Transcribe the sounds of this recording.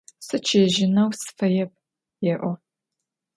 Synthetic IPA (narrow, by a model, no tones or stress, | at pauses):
sɨt͡ʃʰeːʒɪnɐwsɨ̥fɐjɛp̚ | jɛʔʷɔ